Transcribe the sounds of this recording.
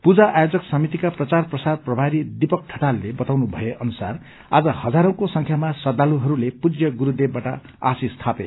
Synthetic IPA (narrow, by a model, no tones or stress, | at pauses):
pud͡zaʔajod͡zʌksʌmit̪ikaprʌt͡sarprʌsarprʌbʱaɾid̪ipʌk̚ʈʰʌʈalːebʌt̪awnubʱʌjeʔʌnusa̰r | a̰d͡zʌhʌd͡zaɾʌ̃kosʌŋkʰjamasʌd̪aluɦʌɾulepud͡zjʌɡuɾud̪ebbːaʈʌ̰ | a̰sist̪ʰape